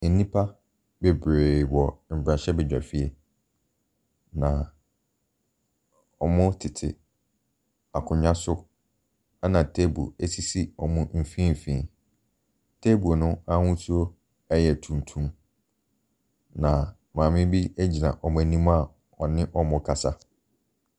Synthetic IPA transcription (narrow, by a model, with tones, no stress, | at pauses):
nĩ˦pʰa˦ | be˨bɾe˨wɔ˨m̩˨bɾa˨ɕɛ˦bɛ˨d͡ʑᶣa̰˨fi˦ɛ˦ | nã˨ | ɔ˨mʊ̃˦tʰɪ˨tʰɪ̰˨ | a˨kʰʊ̃˨ɲã˦sʊ˦ | a˦nã˨tʰe˦bṵ˨e˦si˦si˦ɔ̰˨mʊ̃˦m̩˨fĩ˦m̩˨fĩ˦˨ | tʰe˦bu˨o˨nʊ̃˦a˦hʊ̃˦su˦o˦ | ɛ˦jɛ˨tʰũ˨ntʰũ˦ | nã˨ | mãː˨mɪ̃˦bi˦æ˦d͡ʑi˨nã̰˨ʔɔ˨mʊ̃˦æ˨nĩ˦m˦a˦˨ | ɔ˨nɪ̃˦ʔɔ˦mʊ̃˦kʰa˨sa˦